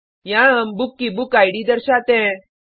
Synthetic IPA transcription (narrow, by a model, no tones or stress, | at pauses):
jãəmbukːibukajɽid̪əɾɕat̪ɛ̃